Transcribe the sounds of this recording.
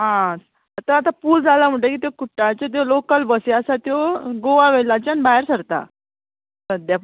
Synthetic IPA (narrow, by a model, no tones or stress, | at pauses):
ɦã | t̪əɾat̪apuːld͡zʱalam̤əɳʈ̬ekiːt̪jokuʈːat͡ɕet̪̬jolokəlbəseəsat̪joɡoʋaʋelat͡ɕanbaɦeɾsəɾt̪a̰ | səd̪ja